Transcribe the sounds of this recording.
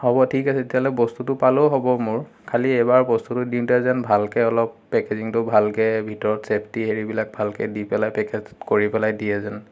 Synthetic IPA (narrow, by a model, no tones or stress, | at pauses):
hɔbɔtʰikasɛetijaɦlɛbɔstutʊpaloɦɔbɔmʊɹ | kʰaliɛbaɹbɔstutʊdintuɛzɛnbʱalkɛɔlɔpːɛkeziŋtʊbʱalkɛbʱitɔɹɔtsepʰtiɦeɹibilak̚bʱalkɛdipɛlajpɛkezkoɹipɛlajdiɛzɛn